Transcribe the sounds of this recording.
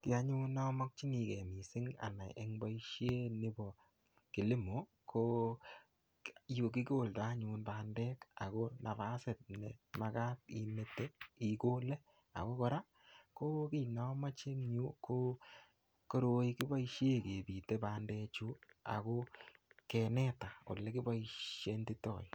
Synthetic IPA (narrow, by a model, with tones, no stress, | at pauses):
tia˧ɲu˦nɔ˦mɔ˦k̚t͡ʃi˦ŋi˨kɛ̰˨mi˨sɪ˦ŋa̰˨na̰˨jʔḛ˦ŋba˦iʃje˦ni˦bɔ˨ | ki˨lɪ˦mo˨˦ | kʰo˦ | jo˨ki˦ko˦˨lta˦ɲunbaː˨ndɛ˦ka˨ko˦na˨ba˦se˨t̚nɛ̰˨ma˨ka˦tḭ˨me˨te˦i˨ko˦lɛ˦ | a̰˨ko˦kɔ˦ɾa˦ | ko˦ki˦˨na˨˦ma˦t͡ʃe˦ŋɲu˦ko˦ | ko˦ɾo˦i˦kɪ˦ba˦iʃe˦˨ke˨bi˨te˦baː˨ndɛ˧t͡ʃu˦a̰˨ko˦kɛ˨nɛ˦ta˨o̰˨lɛ˦kɪ˦ba˦iʃje˦ndi˦tɔ̰˨i˨